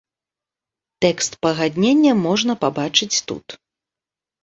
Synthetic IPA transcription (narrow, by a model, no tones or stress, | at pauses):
t̪ɛkst̪pɐɣad̪ʲnʲenʲːɐmɔʐnɐpabat͡ʂɨt͡sʲt̪ṵt̪